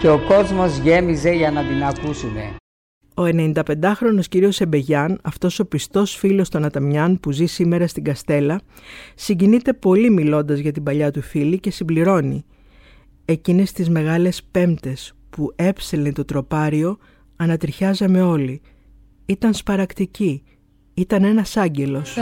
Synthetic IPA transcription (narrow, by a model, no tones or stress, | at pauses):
ceoko̞zmo̞zʝe̞mize̞ʝɐnɐd̪inɐkusune̞̰ | o̞e̞ne̞nind̪ɐpe̞nd̪ɐxɾo̞no̞sciɾio̞se̞be̞ʝɐnɐft̪o̞so̞pist̪o̞sfilo̞st̪o̞nɐt̪ɐmɲɐnpuzisime̞ɾɐst̪iɡɐst̪e̞lɐsiɲɟinit̪e̞po̞limilo̞nd̪ɐzʝɐt̪ibɐʎɐt̪ufilice̞simbliɾo̞ni | e̞cine̞st̪izme̞ɣɐle̞spe̞mt̪e̞s | pue̞pselent̪o̞t̪ɾo̞pɐɾio̞ | ɐnɐt̪ɾiçɐzɐme̞o̞li | it̪ɐnspɐɾɐkt̪ici | it̪ɐne̞nɐsɐɲɟe̞lo̞s